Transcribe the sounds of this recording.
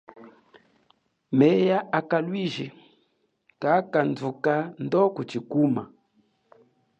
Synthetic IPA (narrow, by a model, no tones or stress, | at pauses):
mɛjaʔakalwiʒi | kakand͡zukandɔkut͡ʃikuma̰